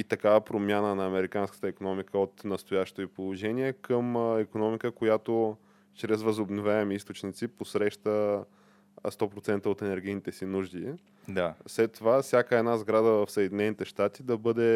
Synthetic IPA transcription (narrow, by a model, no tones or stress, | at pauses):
it̪ɐkavɐpɾomʲjanənɐːmɛɾikanskə̥t̪əikonɔmikəot̪nɐst̪ojaʃt̪oipolˠoʒɛniɛkʰəmɛkonɔmikəkojat̪o | t͡ʃɾɛzvəzobnovʲjaɛmiist̪ot͡ʃnit̪siposɾɛʃt̪ə | st̪ɔpɾot̪sɛnt̪əot̪ɛnɛɾɡ̟ʲijnit̪ɛsinuʒd̪i | d̪afslɛt̪ːovafsʲjakəɛd̪nazɡɾad̪əvəfsəɛd̪inɛnit̪ɛʃt̪at̪id̪ɐbɤd̪ɛ